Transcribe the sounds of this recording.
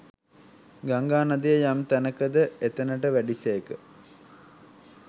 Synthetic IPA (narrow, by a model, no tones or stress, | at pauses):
ɡaŋɡaːnad̪ijəjamt̪ænəkəd̪əet̪ənəʈəʋæɖisejekə